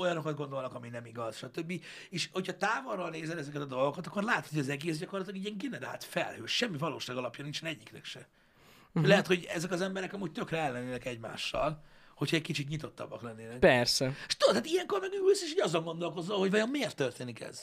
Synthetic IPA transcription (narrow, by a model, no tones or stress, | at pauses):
o̞jɒno̞kɒd̪ɡo̞nd̪olnɒkɒminɛmiɡɒzʃɒt̪øbːieːʃho̞cʰhɒt̪aːvorːolneːzɛnɛzɛkɛt̪ɒd̪o̞lˠɡokɒt̪ɒkːo̞rlaːt̪hoɟɒzɛɡeːszɟɒko̞rlɒt̪lɒɡiːɟɛŋɡɛnɛɾa̰ːlt̪fɛ̰lhø̰ːʃɛmːivɒlo̰ːʃaːɡɒlɒpjɒnint͡ʃɛnɛɟːiknɛ̰kʃɛ | lɛɦɛt̪ho̞ɟɛzɛkɒzɛmbɛɾɛkɒmuːɟ̚t̪økrɛɛlːɛnːeːnɛkɛɟma̰ːʃːɒ̰l | ho̞chɒɛɟkit͡ʃit̪̬ɲit̪o̞t̪ːɒ̰bːɒklɛnːeːnɛkpɛrsɛʃt̪od̪t̪aːt̪ijɛŋko̞rmɛɡylseːʃhoɟɒzoŋɡo̞nd̪o̞lko̞zːolho̞ɟvɒjommeːrt̪ːørt̪eːnikɛ̰z̥